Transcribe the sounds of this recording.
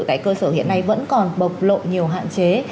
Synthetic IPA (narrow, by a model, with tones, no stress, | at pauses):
kaː˨˦jkəː˧səː˧˩hḭ˧˨ənːa˧jvə̰˧˥nkɔ˨˩nɓə˨˩wk͡p̚lo̰˧˨ɲi˨˩əwɦa̰ː˧˨nt͡ɕe˨˦